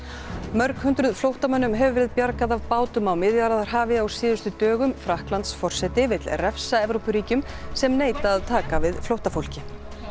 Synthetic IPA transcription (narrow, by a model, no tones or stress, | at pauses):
mœɾkhʏnt̪ɾʏðflowht̪amœnːʏmɦɛvʏvɛːɾɪðpjaɾkaðavpaːwt̪ʏmawmɪðjaɾaðaɾ̥ɦaːvɪawsɪːðʏst̪ʏt̪œːɣʏmfɾahklant̪sfɔr̥sɛt̪ɪvɪt̪lrɛfsaɛvɾowpʏɾiːcʏm | sɛmneːjt̪aːðt̪ʰaːkavɪðflowht̪afowl̥cɪ